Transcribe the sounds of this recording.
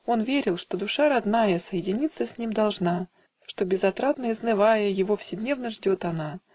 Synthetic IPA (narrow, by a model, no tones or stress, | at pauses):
o̞nvʲeɾʲɪlˠʂt̪o̞d̪ʊʂaɾɐd̪najəsəjɪdʲɪnʲit̪sːəsʲnʲimd̪ɐlˠʐna | ʂt̪o̞bʲɪzɐt̪ɾat̪nəɪznɨvajəjɪvo̞fsʲɪd̪ʲnʲe̞vnəʐdʲo̞t̪ɐna